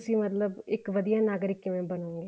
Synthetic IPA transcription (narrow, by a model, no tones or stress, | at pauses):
siːmət̪ləbɪkʋəd̪ijãːnaːɡɾɪkːɪʋẽbənoːŋɡe